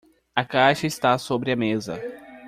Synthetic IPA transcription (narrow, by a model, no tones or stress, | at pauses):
ɐkajʃɐɪst̪asobɾɪɐmezɐ̰